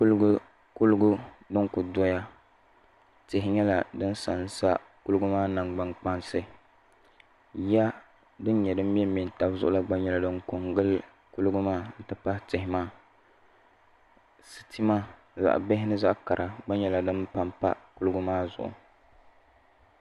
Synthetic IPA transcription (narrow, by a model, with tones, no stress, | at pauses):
ku˦lʊ˦ɡu˦ | ku˦lʊ˦ɡʊ˦ | dɨ˦ŋkʊ˨dɔ˦ja˦ | tɪ˨ɦɪ˨ɲɛ˦la˨dɨ˦n˦sa˨n˦sa̰˦ | ku˦lɨ˦ɡʊ˦maː˦na˨ŋɡ͡ba˦ŋk͡pa˦nsɨ˦ | ja˦ | dɨ˦n˦ɲɛ˨dɨ˦m̩˦ɛ˦mi˨n˨ta˦bzʊ̰˦ʔʊ˦la˦ɡ͡ba˦ɲɛ˦la˨dɨ˦ŋko˨ŋɡɨ˦l | ku˦lɨ˦ɡʊ˦maː˦n̩˦tɨ˨pa˦htɪ˨hɪ˨˦maː˦˨ | sɨ̥˨ti˦maː˦ | za̰˨ʔbɪ˦ɦɪ˦nɨ˦za˦ʔka˨ɾʔa˨ɡ͡ba˦ɲɛ˦la˨dɨ˦mpa˨mpa̰˦ku˦lɨ˦ɡʊ˦maː˦zʊ̰˨ʔʊ̰˨